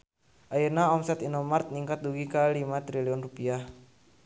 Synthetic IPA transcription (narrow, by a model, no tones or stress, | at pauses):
ʔajənaɔmsɛt̪inɔmart̪̚niŋkat̪̚duɡikalimat̪ɾiliɔnrupiah